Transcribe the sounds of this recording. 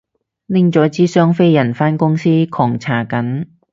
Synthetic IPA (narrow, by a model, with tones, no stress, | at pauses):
lɪ˥ŋt͡sɔː˨˥t͡siː˥sœː˥ŋfe˥jjɐ˨˩nfaː˥nkʊ˥ŋsiː˥kʰɔː˨˩ŋt͡sʰaː˨˩kɐ˨˥n